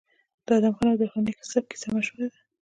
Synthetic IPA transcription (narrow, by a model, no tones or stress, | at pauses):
d̪̥ɑd̪amxanawd̪əxaniksab̚ki̥samaʃəwed̪a